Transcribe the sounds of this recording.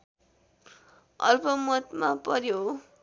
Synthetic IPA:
ʌ̰lpʌmʌt̪mapʌɾjo

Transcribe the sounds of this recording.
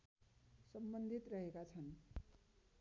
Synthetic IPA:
sʌmbʌnd̪ʱit̪rʌɦekat͡sʰʌn

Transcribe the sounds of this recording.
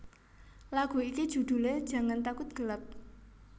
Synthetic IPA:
laɡ̥ṳikid̥ʒ̥ṳd̪̥ṳled̥ʒ̥ä̤ŋant̪akʊt̪̚ɡ̥əlap̚

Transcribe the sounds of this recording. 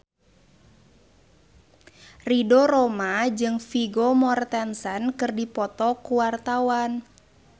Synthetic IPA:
ridɔɾɔmad͡ʒɨŋfiɡɔmɔrt̪ɛnsənkɨrdipɔt̪ɔkuwart̪awan

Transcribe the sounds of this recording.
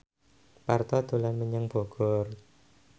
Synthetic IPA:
part̪ɔd̪̥o̤lanməɲəŋb̥o̤ɡ̥ɔr

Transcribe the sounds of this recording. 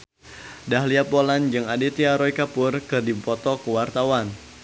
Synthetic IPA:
daɦliapoland͡ʒɨŋadit̪iaɾɔikapʊrkɨrdipɔt̪ɔkəwart̪awan

